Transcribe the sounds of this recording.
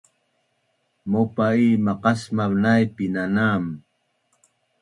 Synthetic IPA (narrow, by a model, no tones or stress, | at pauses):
mopaiːmaqɑsmaβnajpinanaːm